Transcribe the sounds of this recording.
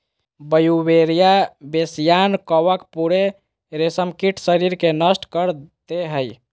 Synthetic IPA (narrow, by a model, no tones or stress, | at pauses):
bəjubeɾijabesijankɔʋəkpuɾe | ɾesəmkiʈʰsəɾiɾkenəsʈkəɾt̪eɦəj